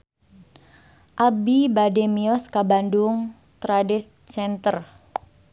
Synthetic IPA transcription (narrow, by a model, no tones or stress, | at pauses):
ʔabibademiɔskabandʊŋ | t̪ɾadɛs | t͡ʃɛnt̪ər